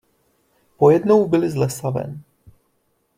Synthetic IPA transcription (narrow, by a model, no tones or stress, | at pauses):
pojɛd̪nowbɪlɪzlɛsavɛ̰n